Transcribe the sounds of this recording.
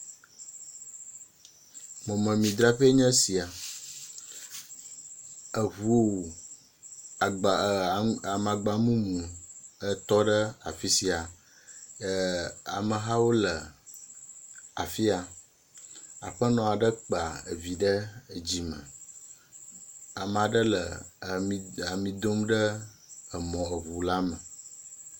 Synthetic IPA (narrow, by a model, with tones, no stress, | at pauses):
mɔ̃˨mɛ̃˨mĩ˨d̪ɾa˦ɸe˦ɲɛ̃˦si˨a˨ | ə˨βu˦o˦˨ | a˨ma˨ɡ͡ba˨mũ˦mũ˨ə˦t̪ɔ˦ɖə˦a̰˨fi˦si˨a˨˦ | a̰˨mə˨ɦã˦wo˦lə˨ | a˨fi˦a˨ | a̰˨ɸə˦nɔ̃˨a˨ɖə˦k͡pa˨ə̰˨vi˨ɖə˦˨d͡ʑi˨mə̰̃˨ | a˨m˨a˨ɖə˦lə̰˨i˨a˨mĩ˨d̪o˦mɖə˦ | ə˨mɔ̃˨ə˨βu˨la˦mə˨